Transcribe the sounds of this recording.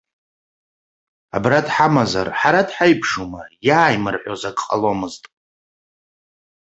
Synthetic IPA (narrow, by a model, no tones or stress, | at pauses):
a̰bradħamaza̰rħaɾadħajpʰʂumajaːjmɨrħʷᶣozaɡʼqʼalomɨztʼ